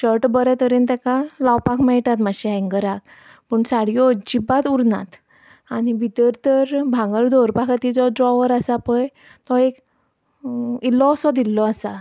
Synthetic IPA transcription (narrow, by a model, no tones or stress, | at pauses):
ɕəɾʈbəɾɛt̪əɾent̪ɛkalawpakʰmɛjʈ̪at̪maɕiɦɛ̃ŋɡəɾak | pəɳsaɽijɔd͡ʑibat̪uɾna̰t̪ | anibʱit̪əɾt̪əɾbʱãŋɡəɾd̪ʱoɾpakat̪id͡zɔɖɾɔʋəɾasapəj | t̪ɔek | ilːɔsɔd̪ilːɔasa